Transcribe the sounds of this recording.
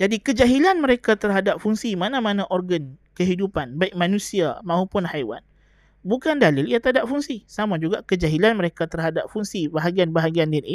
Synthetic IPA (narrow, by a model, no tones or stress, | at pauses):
d͡ʒadikəd͡ʒaɦilanməɾekat̪ərɦadap̚fuŋsimanãmãnãʔɔrɡənkəɦidupanbaɪk̚mãnũsiamãɦupʊnhajwa̰n | bukandalɪliat̪adap̚fuŋsisamãd͡ʒuɡakəd͡ʒaɦilanməɾekat̪ərɦadap̚fuŋsibaɦaɡianbaɦaɡiandini